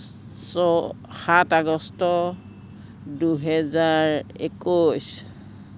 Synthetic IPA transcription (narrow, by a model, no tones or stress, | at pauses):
sɔ | xataɡɔstɔ | duɦɛzaɹekos